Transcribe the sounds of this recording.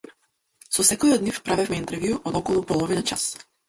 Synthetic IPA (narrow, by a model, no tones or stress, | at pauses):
sɔsɛkɔjɔd̪nifpɾavɛfmɛint̪ɛɾvjuʔɔd̪ɔkɔlˠupɔlˠɔvinat͡ʃas